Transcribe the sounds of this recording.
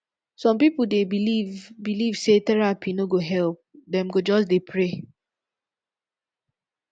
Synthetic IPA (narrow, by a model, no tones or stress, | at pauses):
sɔ̃mpipudebilivbilivsetɛɹapʰinoɡoɦɛlp̚dɛ̃mɡod͡ʒɔs̬depʰɹe